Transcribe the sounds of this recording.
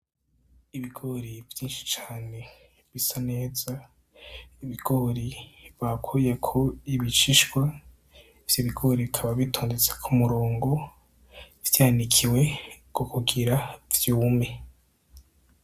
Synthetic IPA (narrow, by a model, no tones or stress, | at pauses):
iβiɡ̥o̞ɾivjiːnʃi̥t͡ʃḁːne̞ | βisane̞ːza | iβiɡ̥oɾiβakʰojekʰoiβiʃiʃɡwa | iv̥joβiɡo̞ɾiβikʰaβaβitʰoːndet͡se̥kʰumuɾoːŋɡo̞ | vjaːnikʰiwe̞kokuɡiɾavjuːme̞